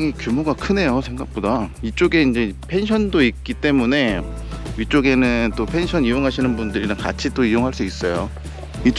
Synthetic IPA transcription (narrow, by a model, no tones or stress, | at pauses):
ŋikjumoɡakʰɯne̞josʰe̞ŋɡak̚p͈odait͡ɕ͈oɡe̞ind͡ʑe̞pʰe̞nɕʰʌndoik̚k͈it͈e̞mune̞ | ɥit͡ɕ͈oɡe̞nɯt͈opʰe̞nɕʰʌnijoŋɦaɕʰinɯnbundɯɾinɯnka̰t͡ɕʰit͈oijoŋɦaɭs͈uis͈ʌjo | it͡ɕ